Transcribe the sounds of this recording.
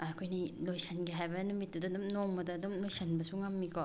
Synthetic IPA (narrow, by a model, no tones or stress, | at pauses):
ɐkʰojnilojsɐnɡiɦajbɐnumitːudɐdumnoŋmɐdɐdumlojsɐnbɐsuŋɐmːikʰo